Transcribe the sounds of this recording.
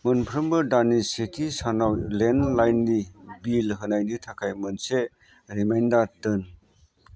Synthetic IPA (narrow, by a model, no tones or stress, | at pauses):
mɯnpʰɾɯmbɯdanisitʰisanawlenlajnːibilɦɯnajditʰakʰajmɯnse | ɾimajndaɾtɯn